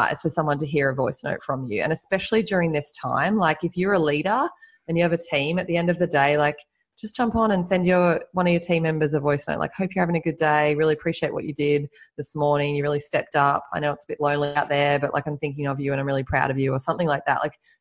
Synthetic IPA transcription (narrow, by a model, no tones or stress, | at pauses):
ɨ̰z̥fə˞sʌ̃mwʌ̃ntɨɦiɹɨvɔɪsno̰ʊtfɹʌ̃mjʉ̰ɨ̰̃nɨspɛʃl̩ˠidʊɹɪ̃ŋðɪstʰã̰ɪ̃mlaɪkɨfjə˞əliɾə˞ | ɨ̃njɨɨvɨtʰĩmɨt̪̚ðiɛ̃ndʌvðɨdeɪlaɪk | d̥ʒ̥ʌsd̥ʒ̥ʌ̃mpn̩ɨ̃nsɛ̃ndjə˞wʌ̃nʌvjə˞tʰĩmɛ̃mbə˞zʌvɔɪsno̰ʊʔla̰ɪkhoʊpjə˞hævɪ̃ŋɨɡʊdeɪɹɪlˠiɨpʰɹ̥iʃieɪʔ̚wʌ̰t͡ʃɨdɪd̪̚ðɪsmɔɹnɪ̃ŋjɨɹɪlˠistɛp̚tʌpʰaɪñoʊətsəbɪʔˡlõʊ̃nliaʊt̪̚ðə˞bʌ̰ʔla̰ɪkãɪ̃mθɪ̃ŋkɪ̃ŋʌvjʉɨ̃nãɪ̃mɹɪlˠipʰɹ̥aʊɾʌvjʉə˞sʌ̃mθɪ̃ŋlaɪk̚ðæ̰ʔ̚laɪk